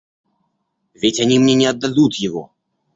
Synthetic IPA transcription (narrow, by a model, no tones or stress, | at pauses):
vʲetʲɐnʲimnʲenʲɪɐd̪ːad̪ut̪jɪvɔ̰